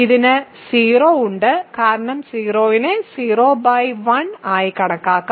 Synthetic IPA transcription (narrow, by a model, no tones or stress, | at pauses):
iðinɨsiːroːuɳɖɨkaːɾɐɳɐmsiːroːʋinesiːroːbɐjʋɐɳaːjikɐɳɐkːaːkːɐ